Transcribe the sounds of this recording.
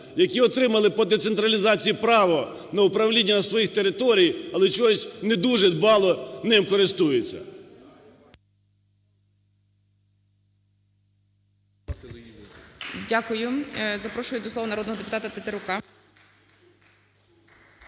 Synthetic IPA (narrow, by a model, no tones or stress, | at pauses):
jɐkʲiɔt̪ɾɪmɐlˠɪpɔd̪ɛt̪sent̪ɾɐlʲizɑt͡sʲijipɾɑʋɔ | nɐʊpɾɐwlʲinʲːɐnɐsʋɔjixt̪eɾɪt̪ɔɾʲijɐlˠɛt͡ʃɔsʲned̪uʒɛd̪bɑlˠɔnɛimkɔɾɪst̪ujet͡sʲːɐ̰ | dʲakʊjʊzɐpɾɔʃʊjʊd̪ɔslˠɔʋɐnɐɾɔd̪nɔɦɔd̪epʊt̪ɑt̪ɐt̪et̪eɾʊkɑ